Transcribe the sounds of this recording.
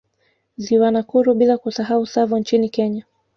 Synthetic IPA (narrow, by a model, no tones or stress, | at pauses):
ziwanakuɾuɓilakusaɦausavunt͡ʃinikɛɲa